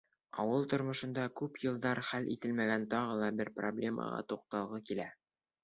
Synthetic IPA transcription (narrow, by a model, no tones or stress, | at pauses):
ɒ̰wɤlˠt̪ŏɾmŏʃɤ̆nd̪ɑkʉpjɤ̆lˠd̪ɑɾχælʔit̪ɘlmæɡænt̪ɒʁɤ̆lˠɑbɘɾproblʲe̞mʔə̰ʁɑ̰t̪uq̚t̪ɑlˠʁɤkilæ